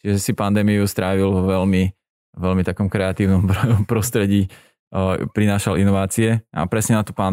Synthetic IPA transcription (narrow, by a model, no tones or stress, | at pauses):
t͡ʃiʒɛsipand̪ɛːmijust̪ɾaːʋilʋɛlmi | ʋɛlmit̪akɔmkɾɛat̪iːʊnɔmɾɔɔmpɾɔst̪ɾɛɟiː | pɾinaːʃalinɔʋaːt͡siɛʔa̰pɾɛsɲɛnat̪ɔpan